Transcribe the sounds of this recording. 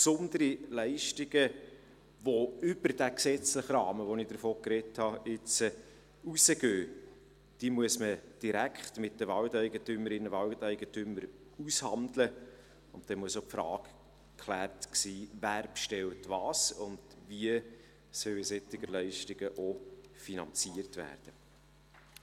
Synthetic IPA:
psʊnd̪əɾilɛɪʃtɪɡə | voʏb̥əɾd̥æksɛt͡slɪχɾɑːməʋɔnɪd̥əɾfoːkɾɛthɑɪt͡sə | usəɡ̥øː | d̥imuəsməd̥iɾækʰχtmɪt̚dəvɑltæɪɡətʏməɾɪnːəvɑltɛɪɡətʏməɾ | ushɑndlə | ʊntd̥ɛmuəsopfɾɑːk | kʰχlæːrtksiːvæːɾpʃtɛltvɑːsʊnd̥viə | sœwɪsɛtːɪɡəɾlɛɪʃtɪɡ̥əʔofinɑnt͡siərtʋæ̰ːɾd̥ə

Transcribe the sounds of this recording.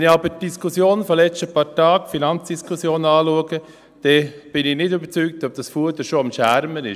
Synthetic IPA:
ɛnɪɑbəd̥iskʰusjoːnfɔlɛt͡ʃtəpɑːɾtɑːkfinɑnt͡sd̥iskʰʊsjoːnɑːluəɡə | d̥ɛb̥ɪnɪnɪdybəɾt͡syːk̚tɔb̚d̥ɑsfuədəʃoɑmʃæɾmənɪʃ

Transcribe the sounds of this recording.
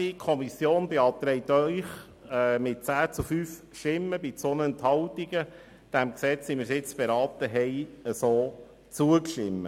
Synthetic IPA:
ikʰɔmisjoːndeɑt̪ɾɛɪt̪œʏχ | ɛmɪt̚t͡sæːt͡sufyːf | ʃtɪmːəbit͡sonəɛnt̪hɑlt̪iɡ̥ə | d̥æmksɛt͡simɪɾsɪt͡sb̥ɛɾɑːt̪əɦɛɪəsoː | t͡suəkʃtɪmːə

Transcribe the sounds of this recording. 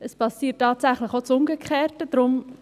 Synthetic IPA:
əspɑsiːətːɑːtsæχləχot͡sʊmɡəkχeːɾtəd̥ɾʊm

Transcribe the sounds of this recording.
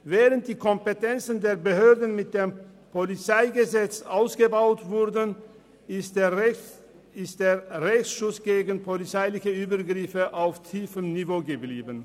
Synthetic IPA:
vɛːʁənt̚d̥iːkʰɔmpətʰɛnt͡sn̩deːɐbəhøːɐdn̩mɪt̚d̥eːmpʰolit͡saɪɡəzɛt͡sʔaʊsɡ̥əbaʊtv̥ʊdn | ɪstd̥eːɐʁɛçsʃʊsɡ̥eːɡn̩pʰolit͡saɪlɪçəʔyːbɐɡʁɪfəʔaʊftʰiːfəmnivoːɡəbliːbən

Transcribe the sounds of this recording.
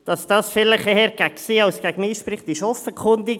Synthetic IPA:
d̥ɑsd̥ɑːsfɪləχehɛɾɡ̥æksiːɑʊsɡ̥æɡəmiːʃprɪχt̪ɪʃɔfəkʰχʊndiɡ

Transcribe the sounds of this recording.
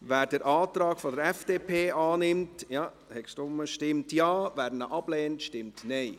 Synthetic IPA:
væːɾdəɾʔɑːtɾɑːkfɔdəɾɛfd̥eːpʰeːʔɑːnɪmtjɑː | hɛksd̥ʊməʃtɪmtjɑːvæːɾdnəʔɑb̥lɛːntʃtɪmtnɛɪ

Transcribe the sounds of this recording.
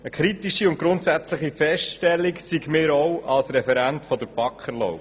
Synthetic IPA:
əkχɾitiʃiʊnt̚ɡɾʊnt̪sæt͡sləχifɛʃʃtɛlːiksiɡmɪːɾɔwɑlsɾɛfɛɾæntfɔd̪əɾbɑkχəɾlɔ̰ʊ

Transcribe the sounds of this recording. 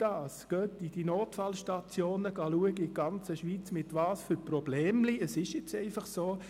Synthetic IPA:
d̥ɑːsɡ̥œːtid̥inoːtfɑlʃtɑt͡sjoːnəɡ̥ɑluəɡəɪɡ̥ɑnt͡səʃʋiːt͡smɪtʋɑːsfyprob̥lɛːmliəsɪʃjɛt͡sɛɪfɑχsoː

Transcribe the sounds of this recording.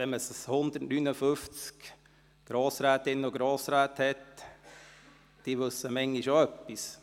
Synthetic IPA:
ɛməshʊnd̪ərtnynəfʏft͡sk | ɡ̥ɾoːsɾæːt̪ɪnːəɔɡɾɔːsɾæːt̪hɛt̪ | d̥iʋɵsːəmɛŋːiʃoœpːis

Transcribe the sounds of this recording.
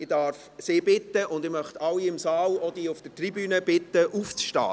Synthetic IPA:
ɪdɑɾf | seːbɪtːəʔʊnd̪ɪmœχt̪ɑlːiɪmsɑːlɔd̥iːʊfd̥ətribyːnəb̥ɪt̪ːəʔuːft͡sʃtɑ̰ː

